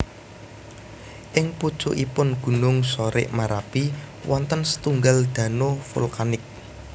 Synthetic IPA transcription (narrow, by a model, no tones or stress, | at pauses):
ʔɪŋpud̥ʒ̥ṵʔipʊnɡ̥ṳnʊŋsoɾɪ̰ʔmaɾapi | wʔɔnt̪ənsə̥t̪uŋɡald̪̥ä̤nofṵlkanɪk̚